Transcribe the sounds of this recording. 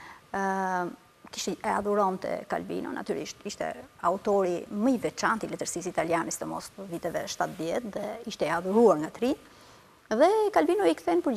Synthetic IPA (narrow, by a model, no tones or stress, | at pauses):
ki̥ʃt̪ɛɛa̰ðuɾɔnt̪ɛ̰ka̰lbḭnɔ̰nʔa̰t̪yɾḭʃt̪iʃt̪ɛ̰aut̪ɔɾiməivɛt͡ʃant̪ilɛt̪əɾsis̬it̪aljanəst̪əmɔ̰stəvit̪ɛvɛʃt̪at̪ðjɛt̪ðɛiʃt̪ɛɛaðuɾuaɾŋɡat̪ɾi | ðɛkalbinɔikθɛnpəɾ